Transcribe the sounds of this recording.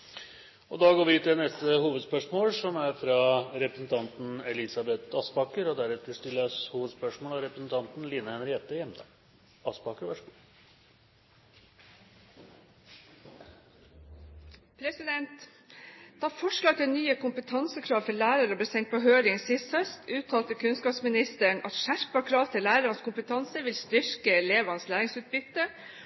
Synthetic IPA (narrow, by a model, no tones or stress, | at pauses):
ɔd̪ɑːɡoːɾʋɪʉːt̪ɪlnɛst̪əhuːʋəd̪spœʂmoːlsɔmæɾfɾɑɾɛpɾəsn̩t̪ʰɑnt̪n̩ɛlɪsɑbɛt̪ɑspɑkəɾɔd̪æɾʉt̪ːəʂt̪ɪlːəshuːʋəd̪spœʂmoːlɑɾɛpɾəsnt̪ʰɑnt̪nliːnəɛnɾɛːt̪əjɛmd̪ɑ̰ːɡ | ɑspɑkəɾʋæʂəɡuː | pʰɾɛsɪd̪ɛnt̪ | d̪̥ɛɑfɔʂɭɑːɡt̪ʰɪnyːəkʰʊmpət̪ʰɑnsəkʰɾɑːʋfɔɭæːɾɑɾəbɛst̪ɛŋt̪̚pʰɔɦøːɾɪŋsɪst̪hœst̪ʰʉːt̪ʰːɑːlt̪əkʰʉnskɑːpsmɪnɪst̪əɳʔɑt̪ʃæɾpɑkʰɾɑːʋt̪ʰɪlːæːɾəɾɑnskʊmpət̪ʰɑnsəʋɪlst̪ʏɾkəleːʋɑnslæːɾɪŋsʉːt̪̚bʏt̪ːə